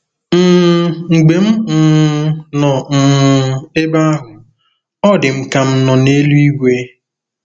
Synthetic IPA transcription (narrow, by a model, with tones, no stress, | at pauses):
m̩˦˨ŋ̩˨ɡ͡be˨m̩˦˨˦nɔ˨m̩˨e˦ba˦a˦ɦʊ˨ | ɔ˦dɪ˨m̩˨ka˨m̩˦nɔ˨ne˦lu˦i˦ɡʷe˦